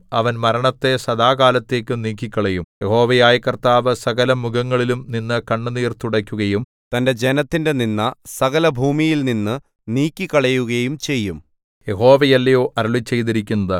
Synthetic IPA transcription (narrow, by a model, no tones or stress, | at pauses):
ɐʋɐnmɐɾɐɳɐt̪ːe̞sɐd̪aːɡaːlɐt̪ːe̞ːkʲːɨniːkʲːikʲːɐɭɐjumje̞ho̞ːʋɐjaːjɐkːɐrt̪aːʋɨsɐɣɐlɐmuɡɐŋːɐɭilumninːɨkɐɳːɨniːrt̪uɽɐkʲːuɣɐjum | t̪ɐnde̞d͡ʑe̞nɐt̪ːinde̞ninːɐsɐɣɐlɐbʱuːmijilninːɨ | niːkʲːikːɐɭɐjuɣɐjumt͡ɕe̞jːum | je̞ɦo̞ːʋɐjɐlːɐjo̞ːʔɐɾɐɭit͡ɕːe̞jt̪̬iɾikʲːunːɐðɨ